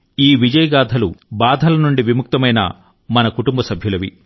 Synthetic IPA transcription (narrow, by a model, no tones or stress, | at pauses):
iːʋid͡ʒɐjɐɡaːd̪ʱɐlubaːd̪ʱɐlɐnuɳɖiʋimuk̚t̪ɐmɐjnɐ̰ | mɐnɐkuʈumbɐsɐbʱjulɐʋḭ